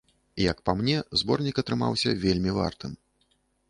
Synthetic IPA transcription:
ijɐkpamnʲɛzbɔrnʲikɐt̪ɾɨma̰wsʲɐ̰vʲelʲmʲiva̰rt̪ɨm

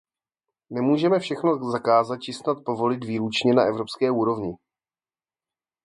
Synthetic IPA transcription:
nɛmuːʒɛmɛfʃɛxnozakaːzat̪̚t͡ʃɪsnat̪̚po̞vo̞lɪt̪viːɾut͡ʃɲɛna̰ʔɛvɾo̞pskɛːuːɾo̞vɲɪ

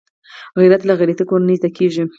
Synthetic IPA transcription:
ɣiɾat̪laɣaɾat̪ikoɾanəjt̪akeʒi

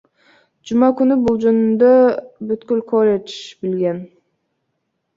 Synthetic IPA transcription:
d͡ʒumɑkynybulˠd͡ʒønynd̪øbyt̪kylkʰolʲet͡ʃbilɡʲen

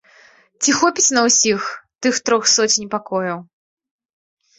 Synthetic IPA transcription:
t͡sʲixɔpʲit͡sʲnɐwsʲixt̪ɨxt̪ɾɔxsɔt͡sʲnʲpakɔjɐw

